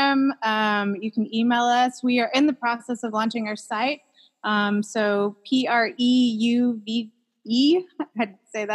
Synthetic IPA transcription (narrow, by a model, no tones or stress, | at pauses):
ɨ̃mʌ̃mjɨkʰn̩imeɪlˠʌswiə˞ʔɪ̃nðɨpʰɹ̥ɔsɛsʌvlɑ̃nt͡ʃɪ̃ŋaʊə˞saɪt̚ | ʔʌ̃msoʊpʰiɑɹʔijʉvi | iaɪdseɪðæ